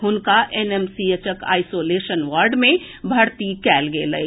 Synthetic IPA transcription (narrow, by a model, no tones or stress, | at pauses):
ɦʊnkaʔɛnɛːmsiət͡ʃəka̰ːɪsoːleːʃənʋaːɾɖmẽbʱɐɾt̪ikɛːlɡeːləi